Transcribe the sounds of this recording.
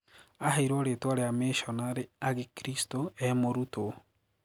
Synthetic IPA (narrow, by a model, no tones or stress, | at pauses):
ahaiɾoɾetwaɾeameʃɔnaɾeaɣekɾistoɛmoɾuto